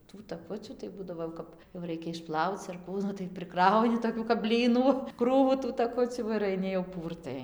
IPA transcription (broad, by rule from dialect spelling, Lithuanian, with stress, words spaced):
tuː tɐˈkʊt͡sʲuː tɐɪ ˈbuːdɐʋoː jɛʊ ˈkɐp jɛʊ ˈrɐɪkʲɛ ɪʃˈplˠɐʊt͡s ɐr ˈkuː ˈnʊ tɐɪ pʲrʲɪˈkrɐʊnʲɪ toːˈkʲuː kɐp ˈbʲlʲiːnuː ˈkruːʋuː tuː tɐˈkʊt͡sʲuː ɪr ɐɪˈnʲɪ jɛʊ ˈpuːrtɐɪ